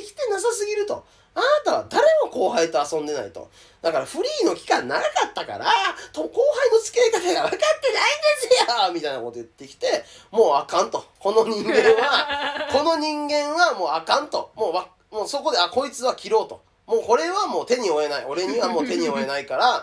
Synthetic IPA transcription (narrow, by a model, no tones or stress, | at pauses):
kʲi̥t̪e̞nasasɨɡʲiɾɯ̟t̪o̞̰ | anat̪aβa̰d̪aɾe̞mo̞ko̞ːɦait̪o̞asõ̞nd̪e̞na̰it̪o̞̰ | d̪̥akaɾaɸɯ̟ɾʲiːno̞kʲi̥kãnːaɾakat̪ːaka̰ɾat̪oko̞ːɦaino̞t͡sɨ̥keːkat̪aɡaβakat̪ːe̞naid̪esejamʲit̪aina̰ko̞t̪o̞ɯ̟t̪ːe̞kʲi̥t̪e̞mo̞ːakãnt̪o̞ko̞no̞ɲ̟ĩŋɡẽ̞ɰ̃βako̞no̞ɲ̟ĩŋɡẽ̞ɰ̃βamo̞ːakãnt̪o̞mo̞ːβa | moːso̞ko̞d̪e̞ako̞it͡sɨβakʲiɾo̞ːt̪o̞̰ | mo̞ːko̞ɾe̞βamo̞ːt̪e̞ɲ̟io̞e̞naio̞ɾe̞ɲ̟iβamo̞ːt̪e̞ɲ̟io̞e̞naikaɾa